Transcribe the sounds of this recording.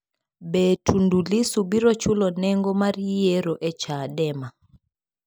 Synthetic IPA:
bɛtʰundulisubiɾɔt͡ʃulɔnɛŋɡɔmaɾijɛɾɔʔɛt͡ʃaɗɛma

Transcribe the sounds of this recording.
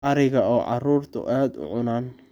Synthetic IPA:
ʔɐɾɪɣɐɔːʕɑ̰ruːrt̪ʰʊ̰ʔaːd̪ʊ̰ʕʊnaːn

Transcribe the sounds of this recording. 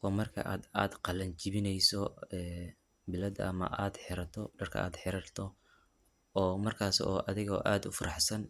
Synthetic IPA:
ʔɔːmɐrkʰɐ̰ʔaːd̪aːd̪qɑlɐɲt͡ʃɪβɪnɛjsɔɛː | bɪlɐd̪ɐ̰ɐmɐ̰ʔaːd̪ħɪɾɐt̪ʰɔɖɐrkʰɐ̰ʔa̰ːd̪ħɪɾɐrt̪ʰɔ | ɔːmɐrkʰaːsɔːʔɐðɪɣɔ̰ʔaːd̪ʊfɐɾɑħsɐn

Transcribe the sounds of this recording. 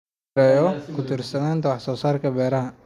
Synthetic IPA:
ɛjɔːkʊt̪ɪɾsɐnaːnt̪ɐwaħsɔːsaːɾkɐbɛːɾɐɦɐ

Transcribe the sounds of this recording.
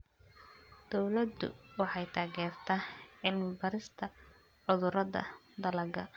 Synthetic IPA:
d̪̥ɔwlɐd̪ʊ̰wɑħɑjt̪ʰaːɣɛːrt̪ʰɐːʕɪlmɪbɐɾɪst̪ʰɐ | ʕʊðʊɾɐðɐ̰ | d̪ɐlɐɡɐ̰

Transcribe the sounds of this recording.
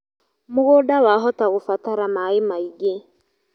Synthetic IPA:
mʊɣodawaɦɔtaɣofataɾamaimaiɡe

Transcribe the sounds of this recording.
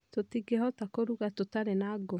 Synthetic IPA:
totiɡehɔtakoɾuɣatotaɾenaɡo

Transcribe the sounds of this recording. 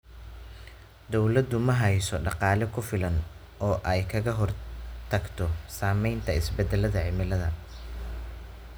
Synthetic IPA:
d̪ɔwlɐd̪ʊmɐɦɐjsɔɖɑqɑːlɛkʰʊfɪlɐn | ɔːʔɛjkʰɐɣɐɦɔrt̪ʰɐɡt̪ʰɔsaːmɛjnt̪ʰɐɪsbɛd̪ɛlɐðɐʕɪmɪlɐðɐ

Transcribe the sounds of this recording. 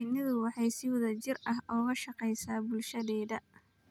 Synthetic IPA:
nɪðʊwɑħɑjsɪwʊðɐt͡ʃɪrʔɐɦɔːɣɐʃɑqɛjsaːbʊlʃɐðɛːðɐ

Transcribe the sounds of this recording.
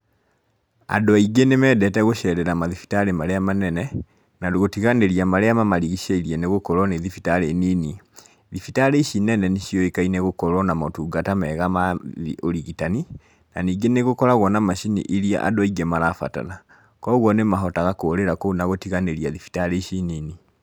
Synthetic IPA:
a̰dɔaiɡenemɛːdɛtɛɣoʃɛɾɛɾamaðifi̥taɾemaɾeamanɛnɛ | nadoɣotiɣaneɾiamaɾeamamaɾiɣiʃaiɾiɛneɣokɔɾwɔneðifitaɾenini | ðifitaɾeʃinɛnɛneʃijɔekaineɣokɔɾɔnamɔtuːɡatamɛɣamaioɾiɣitani | na̰niːɡeneɣokɔɾaɣwɔnamaʃinḭʔiɾia̰ʔa̰doaiɡɛmaɾafa̰ta̰na | kɔɣwɔnemaɦɔtaɣakoːɾeɾakonaɣotiɣaneɾiaðifi̥taɾeʃinini

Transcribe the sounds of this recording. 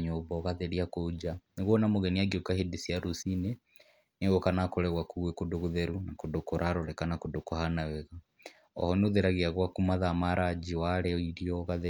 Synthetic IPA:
ɲobɔɣaðeɾiakod͡ʒaneɣwɔnamoɣɛniaɡiokahedisiaɾusine | neɣokanakoɾɛɣwakuɣwekudoɣuðɛɾunakodokoɾʔaɾɔɾɛkanakodokohanawɛɣa | ɔ̰hɔnoðeɾaɣiaɣwakumaðamaɾʔad͡ʒiwaɾɛoiɾiɔɣaðe

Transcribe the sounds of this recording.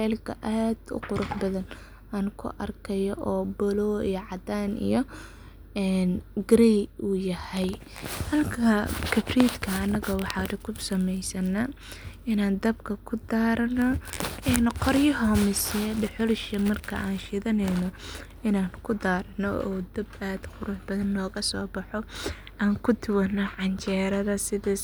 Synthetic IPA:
ɛːlkʰɐ̰ʔaːd̪ʊ̰qʊɾʊħbɐðɐn | aːŋkʰʊ̰ʔɐrkʰɐjɔʔɔːbɔlɔːḭjɔʕɑd̪aːnḭjɔ | ɛnɡɾɛjujɐhɛj | hɐlkʰɐkʰɐbriːd̪kʰɐːnɐɣɐwɑħɑːdɪkʰʊsɐmɛjsɐnɐ | ɪnaːnd̪ɐbkʰɐkʰʊd̪aːɾɐnɔɛːnqɔrjɐɦɔmɪsɛɖɪħʊlʃɐmɐrkʰɐ̰ʔaːnʃɪðɐnɛjnɔ | ɪnaːnkʰʊd̪aːɾɐnɔ̰ɔ̰ːd̪ɐbaːd̪qʊɾuːħb̥ɐðɐnːɔːɣɐsɔ̰ːbɐħɔ | ʔaːŋkʰʊt̪ʰʊwɐnːɐʕɑɲt͡ʃʰɛːɾɐðɐsɪðɛ

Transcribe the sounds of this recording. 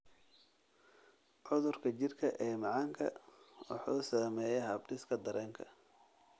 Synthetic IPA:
ʕʊðʊrkʰɐt͡ʃɪrkʰɐʔɛːmɑʕɑːŋkʰɐ̰wɑ̰ħuːsaːmɛːjɛɦɐbɖɪskʰɐd̪ɐɾɛːŋkʰɐ̰

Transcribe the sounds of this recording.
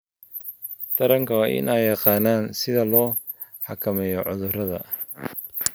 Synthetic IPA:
t̪ʰɐɾɐŋkʰɐwɑːʔɪ̰nʔɛjːɑqɑːnaːnsɪðɐlɔː | ħɑkʰɐmɛjɔʕʊðʊrɐðɐ̰

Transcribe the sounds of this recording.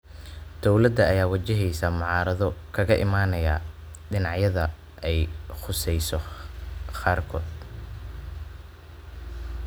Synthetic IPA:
d̪̥ɔwlɐd̪ɐːjaːwɐt͡ʃɪɦɛjsɐmʊʕɑːɾɐðɔkʰɐɣɐʔɪmaːnɐja̰ː | ɖɪnɑʕjɐðɐ | ʔɛjχʊsɛjsɔ | qaːrkʰɔːd̪

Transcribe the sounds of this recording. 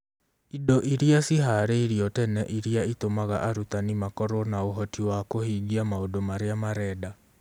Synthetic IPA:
idɔʔiɾiasiɦaɾeiɾiɔtɛnɛʔiɾiaitomaɣa̰ʔaɾutanimakɔɾɔnaoɦɔtiwakohiːɡiamaodomaɾeamaɾɛːda

